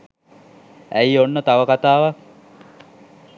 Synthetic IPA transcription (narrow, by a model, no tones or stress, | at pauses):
æjonːət̪aʋəkat̪aːʋak